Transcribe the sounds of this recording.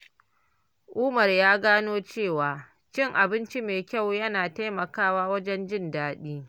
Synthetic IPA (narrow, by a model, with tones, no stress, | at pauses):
ʔuː˦mɐ˨rjaː˦ɡaː˦noː˦t͡ʃeː˦˨waː˨ | t͡ʃɪ˦˨ŋʔa˨bɪ˦nt͡ʃi˦meː˨kʲa˦˨wjɐ˦naː˨ta˦jmɐ˨kaː˦waː˦wɐ˦d͡ʒɛ˦nd͡ʒɪ˦ndaː˦ɗiː˦